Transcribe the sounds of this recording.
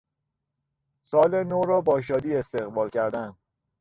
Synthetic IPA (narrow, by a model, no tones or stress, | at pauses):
sɒːlenoɾɒːbɒːʃ̬ɒːd̪iːest̪e̞ɣbɒːlcʰæɾd̪æn